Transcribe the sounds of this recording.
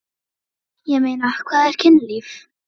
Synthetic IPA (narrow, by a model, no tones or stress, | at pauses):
jɛmejnakʰvaːðɛɾ̥kcʰɪnliːf